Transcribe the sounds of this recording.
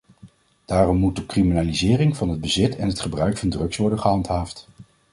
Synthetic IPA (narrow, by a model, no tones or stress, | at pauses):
d̥aːrɔmːut̚dəkriminaːlizɪːrɪŋvɑnɦəd̚bəzɪtʰɛnɦətχəbrœɥkfɑndrɵksʋɔɹdənχəɦɑntɦaːft